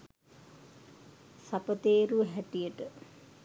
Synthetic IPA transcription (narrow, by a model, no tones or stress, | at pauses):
sapət̪eːɾuɦæʈijəʈə